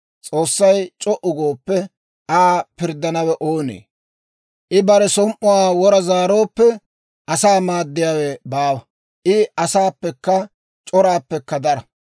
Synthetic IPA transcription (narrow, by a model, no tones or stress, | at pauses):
t͡sʼo̞ːsːɐjt͡ʃʼɔʔʊɡoːpːɛ | ʔaːpɪɾd̪ːɐnɐwɛʔoːnḛː | ʔɪbɐɾɛsɔmʔʊwaːwɔɾɐzaːɾo̞ːpːɛ | ɐsaːmaːd̪ːɪjaːwɛbaːwɐ | ʔɪɐsaːpːɛkːɐ | t͡ʃʼɔɾaːpːɛkːɐd̪ɐɾɐ